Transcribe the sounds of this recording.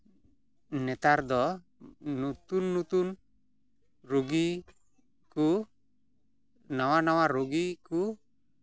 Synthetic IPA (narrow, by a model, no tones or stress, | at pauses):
nɛt̪aɾd̪ɔ | nut̪unːut̪un | roɡi | ku | nawanawaɾoɡiku